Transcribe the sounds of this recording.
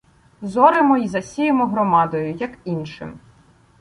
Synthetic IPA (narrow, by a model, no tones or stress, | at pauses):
zɔɾemɔizɐsʲijemɔɦɾɔmɑd̪ɔjʊjɐkinʃɪ̰m